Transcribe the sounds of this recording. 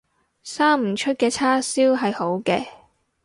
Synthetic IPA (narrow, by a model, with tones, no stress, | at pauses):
saː˥m̩˨˩t͡ʃʰɵ˥t̚kɛː˧t͡sʰaː˥siː˥wɦɐ˨jho˨˥wkɛː˧